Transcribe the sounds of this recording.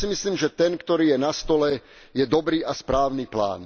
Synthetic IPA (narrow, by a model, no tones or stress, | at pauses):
simisliːmʒɛt̪ɛnkt̪ɔɾiːjɛnast̪ɔlɛ | jɛd̪ɔbɾiːʔaspɾaːʊniːpla̰ːn